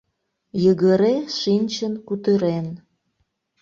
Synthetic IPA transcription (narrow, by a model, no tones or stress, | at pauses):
jəɣəɾeʃinʲt͡ɕənkut̪əɾen